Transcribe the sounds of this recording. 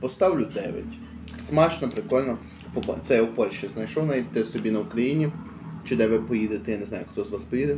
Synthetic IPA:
pɔst̪ɑwlʲʊd̪ɛʋʲɛ̰tʲ | smɑʃnɔpɾekɔlʲnɔ | pɔpt̪sɛjɛwpɔʃt͡ʃɪznɐjʃɔwnaʋʲitʲt̪ɪsɔbʲinɐʊkɾɐjinʲi | t͡ʃɪd̪ɛʋʲɛpɔjid̪ɪt̪ɪjneznɑjʊxt̪ɔzʋɑspɔjid̪ɪ

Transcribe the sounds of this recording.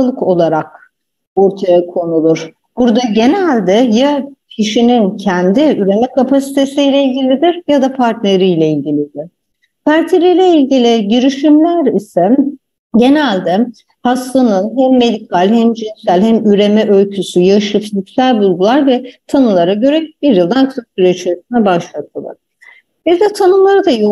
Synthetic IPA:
lˠɯko̞lˠaɾak̚ | o̞ɾt̪ʰajakʰo̞nulˠuɾ̥ | b̥uɾd̪aɟe̞nælʲd̪ɛjacʰiʃinincʰɛnd̪iyɾe̞mɛkʰapʰasi̥t̪ʰe̞sijlʲɛilʲɟʲilʲid̪iɾjad̪apʰaɾt̪ne̞ɾijlʲeilʲɟilʲid̪ɪɾ̥ | pʰaɾt̪ʰeɾijlʲeilʲɟilʲiɟiɾiʃimlʲæɾisɛ | ɟe̞nælʲd̪ɛ | haslˠanɯnɦæmːe̞d̪ikʰalʲhæmd͡ʒinsælʲhæmyɾe̞mɛʔø̞lʲcʰysyjaɯʃɯfizicsælʲbulˠɡ̪ulˠaɾvɛt̪ʰanɯlˠaɾaɟø̞ɾɛb̥iɾjɯlˠd̪ankʰɯpsyɾet͡ʃesinɛbaʃlˠat̪ʰɯlˠɯ̰ | bizd̪ɛt̪ʰanɯlˠaɾɯd̪ajo

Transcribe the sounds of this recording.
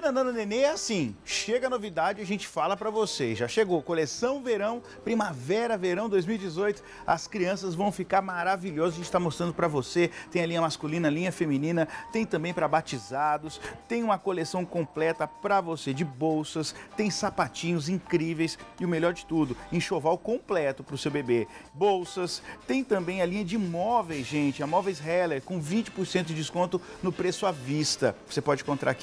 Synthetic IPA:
nɐ̃d̪ɐ̃nɐneneasĩʃeɡɐnovid̪ad͡ʒɪɐʒẽnt͡ʃɪ̥falɐpɾɐvoseʒaʃeɡokolesɐ̃w̃veɾɐ̃w̃ | pɾimavɛɾɐveɾɐ̃w̃d̪ojzmiwid͡ʒɪzojt̪ʊ̥ | ɐ̰skɾiɐ̃sɐzvɐ̃w̃fikaɾmaɾaviʎɔzɐzɐʒẽnt͡ʃɪt̪amost̪ɾɐ̃nd̪ʊpɾɐvoset̪ẽj̃ɐlĩɲɐmaskulĩnɐlĩɲɐfemĩnĩnɐt̪ẽj̃t̪ɐ̃mbẽj̃pɾɐbat͡ʃizad̪ʊst̪ẽj̃ũmɐkolesɐ̃w̃kõplɛt̪ɐpɾɐvosed͡ʒɪbowsɐst̪ẽj̃sapat͡ʃĩɲʊzĩŋkɾivejsɪʊmelʎɔɾd͡ʒɪt̪ud̪ʊẽʃovawkõplɛt̪ʊpɾʊsewbebebowsɐst̪ẽj̃t̪ɐ̃mbẽj̃ɐlĩɲɐd͡ʒɪmɔvejzʒẽnt͡ʃɪɐmɔvejshɛleɾkõw̃vĩt͡ʃɪ̥poɾsẽnt̪ʊd͡ʒɪd͡ʒɪskõnt̪ʊ | nʊpɾesʊavist̪ɐvosepɔd͡ʒɪkõnt̪ɾa̰ɾki

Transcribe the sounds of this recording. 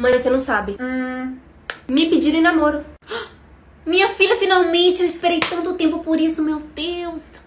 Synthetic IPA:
mɐzsenɐ̃w̃sabɪ | mɪpɪd͡ʒiɾɐ̃ĩnamoɾʊ | mĩɲɐfiʎʲɐfinawmẽt͡ʃɪewispeɾejt̪ɐ̃nt̪ʊt̪ẽmpʊpoɾisʊmewd̪ews

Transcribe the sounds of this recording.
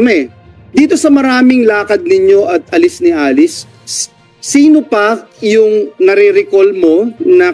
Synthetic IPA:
mɛ | d̪iːt̪o̞sɐmɐɾaːmɪŋlaːkɐd̪̚nɪɲo̞ʔɐt̪̚ɐlɪsnɪhaːlɪsː | iːno̞pɐjʊŋnɐɾiɾɪkolmo̞nɐ

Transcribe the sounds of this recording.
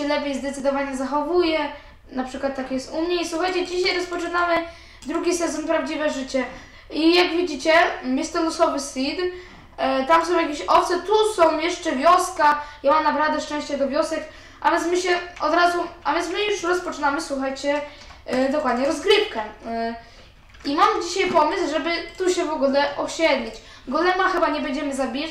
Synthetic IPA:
ɛlɛpʲjejzd̪ɛt̪sɘd̪ɔvaɲɛzaxɔvujɛ | napʂɘkwat̪ːakʲjɛst̪umɲɛiswuxajt͡ɕɛd͡ʑiɕajɾɔspɔt͡ʂɘnamɘ | d̪ɾuɡʲisɛzɔnpɾavd͡ʑivɛʐɘt͡ɕɛ | ijaɡvʲid͡ʑit͡ɕɛmjɛst̪ɔnɡɔsɔbɘst̪ʲid̪ | t̪amsɔ̃w̃jakʲeɕɔft̪sɛt̪usɔ̃w̃jɛʂt͡ʂɛvʲjɔskajamamnabɾavd̪ɛʂt͡ʂɛ̃w̃ɕt͡ɕɛd̪ɔvʲjɔsɛk | avʲjɛnsmɘɕɛɔd̪ɾazuavʲjɛnmɘjuʂɾɔspɔt͡ʂɘnamɘswuxajt͡ɕɛ | d̪ɔkwad̪ɲɛɾɔzɡɾɘfkɛ | imamd͡ʑiɕajpɔmɘsʐɛbɘt̪uɕɛvɔɡulɛʔɔɕɛd̪lʲit͡ɕ | ɡɔlɛmaxɘbaɲɛbɛɲd͡ʑɛmɘzabʲija

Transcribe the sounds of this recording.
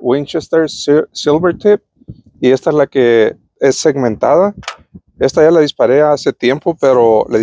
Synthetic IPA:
wint͡ʃest̪eɾssilβeɾt̪ʰip̚ | ie̞st̪aezlake̞ | esːe̞ɣmẽ̞nt̪a̰ða | e̞st̪aʝalaðispaɾe̞ase̞t̪je̞mpo̞pe̞ɾo̞lað

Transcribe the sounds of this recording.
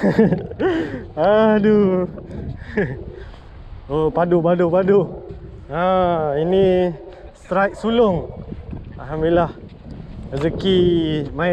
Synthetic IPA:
adu | opadubadupadu | aini | st̪ɾajk̚sulʊŋ | alɦamilah | əzəkima

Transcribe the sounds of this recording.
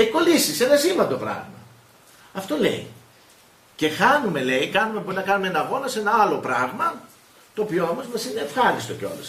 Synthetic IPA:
eko̞lisise̞nɐsimvɐnd̪o̞pɾɐ̰ɣmɐ | ɐft̪o̞le̞̰i | ce̞xɐnume̞le̞ikɐnume̞poinɐkɐnumeenɐːɣo̞nɐse̞nɐɐlo̞pɾɐɣmɐ | t̪o̞ːpio̞omo̞zmɐsine̞ːfxɐɾist̪o̞ceo̞̰lus

